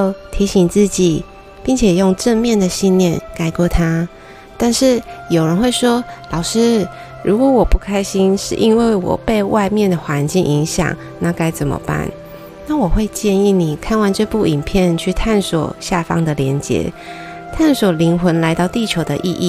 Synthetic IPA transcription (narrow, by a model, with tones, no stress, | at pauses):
t̪ʰi˧˥ɕi˧˩ŋt͡sɹ̩˥˩t͡ɕi˨˩ | pi˥˩ŋt͡ɕʰjɛ˨˩jo˥˧ŋʈ͡ʂə˥˧nmjɛ˥˩nd̪ə˨˩ɕi˥˧nljɛ˥˩nka˨˥˩ɪkwɔ˥˩t̪ʰa˥ | t̪a˥˧nʂɻ̩˥˩jo˨˩ʊɻə˧˦nxwe˥˩ɪʂwɔ˥lɑ˨˩ʊʂɻ̩˥ | ɻu˧˥kwɔ˧˦wɔ˨˩pu˥˩kʰa˥ɪɕi˥nʂɻ̩̰˥˩ʔi˦˥nwe˥˩ɪwɔ̰˨˩pe˥˧ɪwa˥˧ɪmjɛ˥˨nd̪ə˩xwa˧˦nt͡ɕi˥˩ŋʔi˧˥ŋɕjɑ̰˨˩ŋ | na˥˧ka˥ɪt͡sə˨˩nmə̰˦pa̰˥˩n | na˥˩wɔ˨˩xwe˥˧ɪt͡ɕjɛ˥˧ni˥˩ni˨˩kʰa˥˩nwa˥˧nʈ͡ʂə˥˧ɪpu˥˩i˨˩npʰjɛ˥˧nt͡ɕʰy˥˧t̪ʰa˥˩nswɔ̰˨˩ɕja˥˧fɑ̰˦˥ŋd̪ə˨ljɛ˧˥nt͡ɕjɛ̰˧˥˦ | t̪ʰa˥˩nswɔ˨˩li˧˥ŋxwə˧˦nla˧˥ɪt̪ɑ˥˧ʊt̪i˥˩t͡ɕʰjo˧˥ʊd̪ə̰˧ʔḭ˥˧ʔḭ˥˩